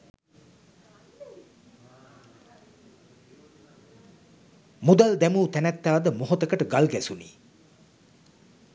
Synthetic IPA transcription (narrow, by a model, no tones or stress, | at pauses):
mud̪ald̪ɛmuːt̪ænæt̪ːaːd̪əmoɦot̪əkəʈəɡalɡɛsunḭː